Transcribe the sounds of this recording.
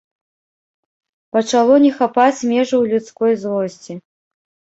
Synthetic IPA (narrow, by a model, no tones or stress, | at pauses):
pɐt͡ʂalˠɔnʲɛxapat͡sʲmʲɛʐɐwlʲut̪skɔjzlˠɔsʲt͡sʲi